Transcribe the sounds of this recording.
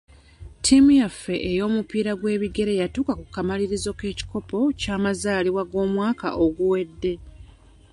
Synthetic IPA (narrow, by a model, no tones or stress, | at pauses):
tʰimujafːe̞ʔejo̞ːmupiːɾaɡwe̞ːβiɡe̞ɾe̞jatuːkakukːamaliɾizo̞ke̞ːci̥ko̞po̞caːmazaːliβwaɡo̞ːmwaːka̰ʔoɡuwe̞dːe̞